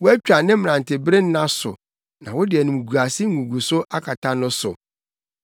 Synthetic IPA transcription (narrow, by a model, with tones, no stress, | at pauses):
wʊ˦æ˦t͡ɕᶣa˨nɪ̃˦m˦m˨ã˨n˨tʰɪ˨bɾe˦n̩˦nã˦sʊ̰˨ | nã̰˨wʊ˦dɪ˨ɛ˨nʊ̃˨mũ˨ɡu˨a˨sɪ˦ɡũ˨ɡu˨sʊ˦ʔa˦kʰa˨tʰa˦nʊ̃˦sʊ˨